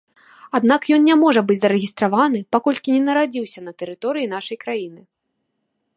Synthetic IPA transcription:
ad̪nakjɔnnʲamɔʐɐbɨd͡zʲzɐɾɛɣʲist̪ɾavanɨpakɔlʲkʲinʲɛnɐɾad͡zʲiwsʲɐn̪ɐt̪ɛɾɨt̪ɔɾɨjin̪aʂɐjkɾajinɨ

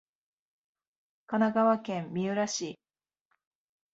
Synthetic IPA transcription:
kanaɡaβakẽ̞mːʲiɯ̟ɾaɕi

